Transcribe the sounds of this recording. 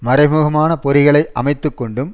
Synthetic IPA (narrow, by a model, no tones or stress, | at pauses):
mɐɾɐɪmuːɣɐmaːnɐpɔɾɪɣɐɭɐɪʔɐmɐɪt̪ːɯkːɔɳɖɯm